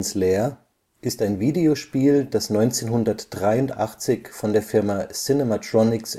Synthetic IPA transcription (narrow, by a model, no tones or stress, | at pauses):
nsleːɐ | ʔɪstaɪnviːdeoʃpiːld̥asnɔʏnt͡seːnɦʊndɐtd̥ʁaɪʊntʔaχt͡sɪçfɔndeːɐfɪɐmasɪnematʁ̥ɔnɪks